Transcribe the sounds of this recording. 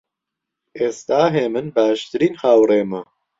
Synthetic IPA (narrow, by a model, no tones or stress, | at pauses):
ʔeːst̪aːɦeːmɨnbaːʃt̪ɨɾiːnhaːwreːmɐ